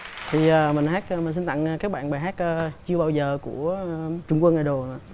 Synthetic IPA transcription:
t̪ʰi˨˩əː˨˩mï˨˩ŋ̟haː˦˥k̚ːmi˨˩n̟si˧nt̪a̰˧˨ŋ˨˩kaː˦˥k̚ɓa̰ː˧˨nɓaː˨˩jɦaː˦˥k̚ʔə˧t͡ɕɨ˧ə˧ɓaː˧wzəː˨˩ku˧˩ət͡ɕʊ˧wŋ͡mkwə˧ŋaː˨˩ɗo˨˩na̰˧˨

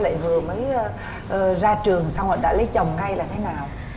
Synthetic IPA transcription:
la̰ː˧˨jvɨ˨˩əməː˨˦j | ʔəː˨˩zaː˧t͡ɕɨ˨˩əŋsa˧wʔə̰ː˧˩ɗa̰ː˧˥lə˨˦jt͡ɕə˨˩wŋ͡mŋa˧jlaː˨˩t̪ʰe˨˦naː˨˩w

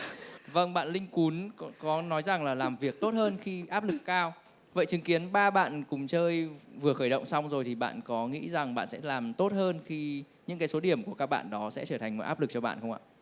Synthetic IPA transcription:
və˧ŋɓa̰ː˧˨nlï˧ŋ̟ku˨˦nkɔ˨˦nɔ˨˦jza˨˩ŋlaː˨˩laː˨˩mvi˨˩ək̚t̪o˦˥t̚həː˧nxi˧ʔaː˦˥p̚lɨ˨˩kːaː˧w | və̰˧˨jt͡ɕɨ˨˦ŋki˨˦ənɓaː˧ɓa̰ː˧˨nkʊ˨˩ŋ͡mt͡ɕəː˧jvɨ˨˩əxəː˧˩jɗə̰˧˨wŋ͡msa˧wŋ͡mzo˨˩jt̪ʰi˨˩ɓa̰ː˧˨nkɔ˨˦ŋḭ˧˥za˨˩ŋɓa̰ː˧˨sɛ̰˧˥laː˨˩mt̪o˦˥t̚həː˧nxi˧ | ɲɨ̰˧˥ŋkaː˨˦jso˨˦ɗi˧˩əmku˧˩əkaː˦˥k̚ɓa̰ː˧˨nɗɔ˨˦sɛ̰˧˥t͡ɕəː˧˩t̪ʰa˨˩ŋ̟m˨˩tʔaː˦˥p̚lɨ˨˩k̚t͡ɕɔ˧ɓa̰ː˧˨nxə˧wŋ͡mʔa̰ː˧˨

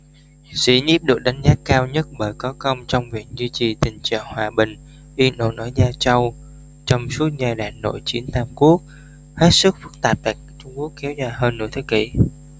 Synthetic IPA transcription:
sḭ˧˥ɲi˦˥p̚ɗɨ˨˩ək̚ɗa˨˦jŋ̟zaː˦˥kaː˧wɲə˦˥t̚ɓəː˧˩jkɔ˨˦kə˧wŋ͡mt͡ɕɔ˧wŋ͡mvḭ˨˩ək̚zi˧t͡ɕi˨˩t̪ï˨˩ŋ̟t͡ɕa̰ː˧˨ŋhwaː˨˩ɓï˨˩ŋ̟ | ʔi˧nɗo̰˧˩nʔɔ˨˦jzaː˧t͡ɕə˧w | t͡ɕɔ˧wŋ͡msu˦˥ət̚zaː˧˩ɗa̰ː˧˨˩nːo̰˧˨jt͡ɕi˨˦ənt̪aː˧mku˦˥ək̚ | he˦˥t̚sɨ˦˥k̚fɨ˦˥k̚t̪aː˨˩p̚t̪a˨˩k̚t͡ɕʊ˧ŋ͡mku˦˥əkːɛ˨˦wzaː˧˩jɦəː˧nːṵ˧˩ət̪ʰə˨˦jkḭ˧˩

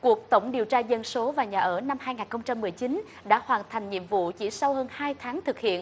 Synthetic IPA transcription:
ku˨˩ək̚t̪ə˧˩wŋ͡mɗi˨˩əwt͡ɕaː˧zə˧nso˨˦vaː˨˩ɲaː˨˩ʔəː˧˩na˧mhaː˧jŋaː˨˩nxə˧wŋ͡mt͡ɕa˧mːɨ˨˩əjt͡ɕi˨˦n | ɗa̰ː˧˥hwaː˨˩nt̪ʰa˨˩jŋ̟ɲḭ˧˨əmvṵ˧˨t͡ɕḭ˧˩sa˧whəː˧nhaː˧jt̪ʰaː˨˦ŋt̪ʰɨ˨˩k̚hḭ˧˨ən

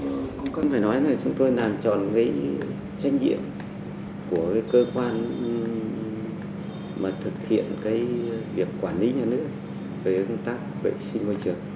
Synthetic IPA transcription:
ə˧wŋ͡mfaː˧˩jnɔ˨˦jnaː˨˩t͡ɕʊ˨˦ŋ͡mt̪o˧jlaː˨˩mt͡ɕɔ̰˧˨nka˨˦j | t͡ɕa˧jŋ̟zḭ˧˨əm | ku˧˩əkaː˨˦jkəː˧kwaː˧n | maː˨˩t̪ʰɨ˨˩k̚hḭ˧˨ənkaː˨˦jvi˨˩əkːwaː˧˩nli˨˦ɲaː˨˩nɨ˦˥əkk̚ | vəː˨˦ə˧t̪aː˦˥k̚vḛ˧˨si˧ŋ̟mo˧jt͡ɕɨ˨˩əŋ̚

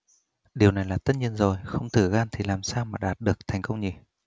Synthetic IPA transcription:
ɗi˨˩əwna˨˩jlaː˨˩t̪ə˦˥t̚ɲi˧ənzo˨˩jxə˧wŋ͡mt̪ʰɨ˧˩ɣaː˧nt̪ʰi˨˩laː˨˩msaː˧wmaː˨˩ɗaː˨˩t̚ɗɨ˨˩ək̚t̪ʰɛ˨˩jŋ̟kə˧wŋ͡mɲi˧˩

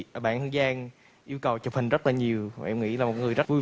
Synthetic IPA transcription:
ʔəː˧˦ɓa̰ː˧˨nt̪ɨ˧əŋzaː˧ŋ | ʔi˧əwkə˨˩wt͡ɕə˨˩p̚hï˨˩ŋ̟zə˦˥t̚laː˨˩ɲi˨˩əwa̰ː˨˩ʔɛ˧mŋ͡mŋḭ˧˥laː˨˩mo˨˩˦ŋɨ˨˩əjzə˦˥vu˧j

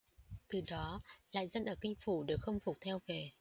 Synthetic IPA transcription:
t̪ɨ˨˩ɗɔ˨˦la̰ː˧˨jzə˧nʔəː˧˩kï˧ŋ̟fu˧˩ɗɨ˨˩ək̚xə˧wŋ͡mfʊ˨˩k͡p̚t̪ʰɛ˧wve˨˩

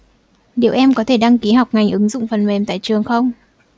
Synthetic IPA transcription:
ɗḭ˧˨əwʔɛ˧mkɔ˨˦t̪ʰe˧˩ɗa˧ŋki˨˦ɦa˨˩wk͡p̚ŋa˨˩jŋ̟ʔɨ˨˦ŋzʊ̰˧˨ŋ͡mfə˨˩nme˨˩mt̪a̰ː˧˨jt͡ɕɨ˨˩əŋxə˧wŋ͡m

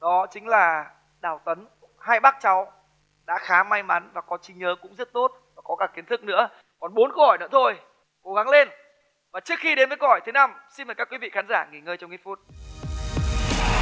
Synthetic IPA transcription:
ɗɔ˨˦t͡ɕï˨˦ŋ̟laː˨˩ | ɗaː˧˩wt̪ə˨˦n | haː˧jɓaː˦˥k̚t͡ɕa˨˦w | ɗa̰ː˧˥xaː˨˦ma˧jma˨˦nvaː˨˩kɔ˨˦t͡ɕi˨˦ŋɲəː˨˦kʊ̰˧˥ŋ͡mzə˦˥t̚t̪o˦˥t̚vaː˨˩kɔ˨˦kaː˧˩kːi˨˦ənt̪ʰɨ˦˥k̚nɨ̰˧˥ə | kɔ˨˩nɓo˨˦nko˧ɔ˨˩nɨ̰˧˥ət̪ʰo˧j | ko˨˦ɣa˨˦ŋle˧n | vaː˨˩t͡ɕɨ˦˥ək̚xi˧ɗe˨˦nvəː˨˦jkɔ˧˩jt̪ʰe˨˦na˧˩msi˧nməː˨˩ka˦˥kwi˨˦vḭ˧˨xaː˨˦nzaː˧˩ŋi˨˩ŋəː˧jt͡ɕɔ˧wŋ͡mʔi˦˥t̚fu˦˥t̚

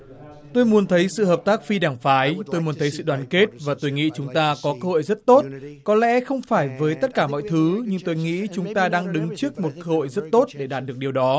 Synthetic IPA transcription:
t̪o˧jmu˨ənt̪ʰə˨˦jsɨ̰˧˨həː˨˩p̚t̪aː˦˥k̚fi˧ɗaː˧˩ŋfaː˨˦jt̪o˧jmu˨ənt̪ʰə˨˦jsɨ̰˧˨ɗwaː˨˦nke˦˥t̚vaː˨˩t̪o˧jŋḭ˧˥t͡ɕʊ˨˦ŋ͡mt̪aː˧kɔ˨˦kəː˧ho̰˧˨jzə˦˥t̚t̪o˦˥t̚kɔ˨˦lɛ̰˧˥xə˧wŋ͡mfaː˧˩jvəː˨˦jt̪ə˦˥t̚kaː˧˩mɔ̰˧˨jt̪ʰɨ˨˦ɲɨ˧ŋt̪o˧jŋḭ˧˥t͡ɕʊ˨˦ŋ͡mt̪aː˧ɗaː˧ŋɗɨ˨˦ŋt͡ɕɨ˦˥ək̚mo˨˩t̚kəː˧ho̰˧˨jzt̚t̪o˦˥t̚ɗe˧˩ɗaː˨˩t̚ɗɨ˨˩ək̚ɗi˨˩wɗɔ˨˦

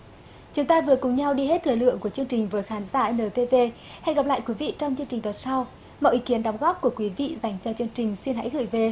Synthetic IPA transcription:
t͡ɕʊ˨˦ŋ͡mt̪aː˧vɨ˨˩əkʊ˨˩ŋ͡mɲa˧wɗi˧ɦe˦˥t̪ʰɨ˨˩jlɨ̰˧˨əŋku˧˩ət͡ɕɨ˧əŋt͡ɕï˨˩ŋ̟vəː˨˦jxaː˨˦nzaː˧˩˧nəː˨˩t̪e˧ve˧ | ha˧jɣa˨˩p̚la̰ː˧˨jkwi˨˦vḭ˧˨t͡ɕɔ˧wŋ͡mt͡ɕɨ˧əŋt͡ɕï˨˩t̪ɔ˨˩sa˧w | mɔ̰˧˨ʔi˨˦ki˨˦ənɗɔ˨˦wŋ͡mɣɔː˦˥p̚ku˧˩əkwi˨˦vḭ˧˨za˨˩jŋ̟t͡ɕɔ˧t͡ɕɨ˧əŋt͡ɕï˨˩ŋ̟si˧ənɦa̰˧˥jɣɨ̰˧˩jve˨˩

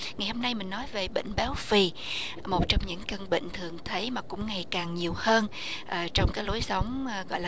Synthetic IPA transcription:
ŋa˨˩jho˧mna˧jmï˨˩ŋ̟nɔ˨˦jve˨˩ɓḛ˧˨ŋ̟ɓa˨˦wfi˨˩ | mo˨˩t̚t͡ɕɔ˧wŋ͡mɲɨ̰˧˥ŋkə˧nɓə̰˧˨ŋ̟t̪ʰɨ˨˩əŋt̪ʰə˨˦jmaː˨˩kʊ̰˧˥ŋ͡mŋa˨˩jkaː˨˩ŋɲi˨˩əwhəː˧n | ʔəː˨˩t͡ɕɔ˧wŋ͡mkaː˨˦jlo˨˦jsə˨˦wŋ͡mɣɔ̰˧˨jlaː˨

